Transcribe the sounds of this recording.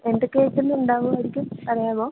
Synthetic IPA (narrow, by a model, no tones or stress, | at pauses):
enɖɨkːeːt͡ɕːunːɨuɳɖaːʋuʋɐɾikʲːumpɐrɐjaːboː